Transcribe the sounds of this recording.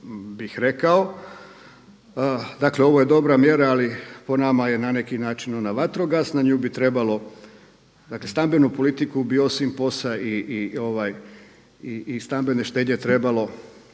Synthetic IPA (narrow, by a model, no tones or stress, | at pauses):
bixɾe̞kao̞ | d̪akle̞o̞ʋo̞je̞d̪o̞bɾamje̞ɾaːlipo̞namaje̞nane̞kinaːt͡ʃino̞naʋat̪ɾoɡaːsnaɲuːbit̪ɾe̞balo̞ | d̪akle̞st̪ambe̞nupo̞lit̪ikubio̞simpo̞saiʔio̞ʋaj | iist̪ambe̞ne̞ʃt̪e̞ːdɲe̞t̪ɾe̞balo̞